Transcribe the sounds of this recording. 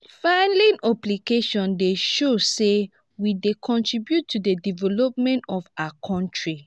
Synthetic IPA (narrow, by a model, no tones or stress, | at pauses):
fãnlĩnɔplikeʃɔ̃ndeʃose | widekʰɔ̃ntɹibjutʰːudedivɛlɔp̚mɛ̃ntɔfaakʰɔ̃ntɹi